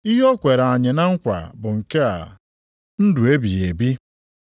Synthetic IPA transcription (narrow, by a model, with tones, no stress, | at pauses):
i˦ɦɔ˦kʷe˨ɾa˨ɲɪ˨na˦ŋ̩˦kʷa̰˨bʊ˨ŋ̩˨ke˦a̰˨ | n̩˦du˨e˦bi˨ɣe˨bi˦